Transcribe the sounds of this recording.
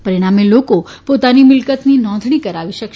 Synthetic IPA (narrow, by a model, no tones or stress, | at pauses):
pəɾiɽ̃ameloko | pot̪animɪlkət̪ninɔ̃nd̪ʱɳ̃ikəɾaʋiʃək